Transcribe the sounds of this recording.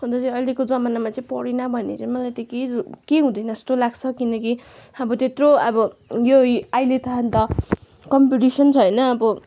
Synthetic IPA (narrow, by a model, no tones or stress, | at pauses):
ɦʌnd̪ʌt͡sʌĩʌjlekod͡zʌmanamat͡sʌĩpʌɽenʌbʱʌnḛt͡sʌ̃ĩmʌlajt̪ʌkeukeɦũd̪ʌjnʌst̪olaɡt͡sʰʌkinʌkiʌbʌt̪et̪roʌbʌjoajlet̪ʌɦant̪ʌ | kʌmpiʈisʌnt͡sʰʌjnʌːbʌ